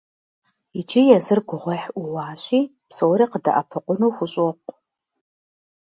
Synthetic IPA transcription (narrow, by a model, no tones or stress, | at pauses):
ɪd͡ʒʰijɛzɨrɡʷʊʁʷɐħʊwaːɕiː | psowɾiːqədɐ̰ʔɐ̰pʰɨqʷʊnuwxʷʊɕʼɔqʷʼ